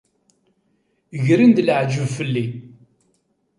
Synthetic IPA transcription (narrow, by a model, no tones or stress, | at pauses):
ʝɾind̪ləʕd͡ʒəvfəlːi